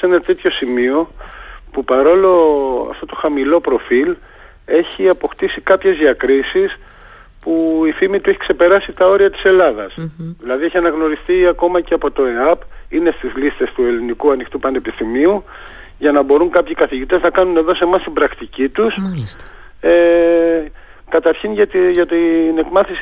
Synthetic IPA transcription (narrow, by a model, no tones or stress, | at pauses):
se̞nɐt̪e̞t̪ço̞simio̞pupɐɾo̞lo̞ɐ̰ft̪o̞t̪o̞xɐmilo̞pɾo̞fil | e̞çiɐpo̞xt̪isikɐpçe̞zðiɐkɾisis | puifimit̪ue̞çi̥kse̞pe̞ɾɐsit̪ɐo̞ɾiɐt̪i̥se̞lɐðɐsðilɐðie̞çiɐnɐɣno̞ɾist̪iɐko̞mɐceɐpo̞t̪o̞e̞ɐpine̞st̪izlist̪e̞st̪ue̞linikuɐnixt̪upɐne̞pist̪imiu | ʝɐnɐbo̞ɾuŋkɐpçikɐθiʝit̪e̞znɐkɐnune̞ðo̞se̞mɐst̪ibɾɐkt̪icit̪us | e | kɐt̪ɐɾçinʝɐt̪ʝɐt̪ine̞kmɐθis